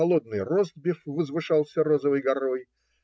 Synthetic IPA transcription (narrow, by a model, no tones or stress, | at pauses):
ɐlˠod̪̚nɨjrozt̪̚bʲɪfvəzvɨʂɑlˠsʲəɾozəvɨjɡɐɾoj